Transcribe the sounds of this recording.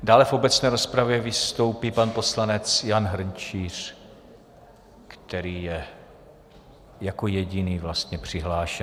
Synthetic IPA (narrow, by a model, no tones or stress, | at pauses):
daːlɛfo̞bɛt͡snɛːɾo̞spɾavjɛvɪst̪o̞wpipanpo̞slanɛt͡sjanɦr̩nt͡ʃiːr̝̥ | kt̪ɛɾiːjɛ | jako̞jɛɟɪniːvlast̪ɲɛpr̝̥ɪɦlaːʃɛ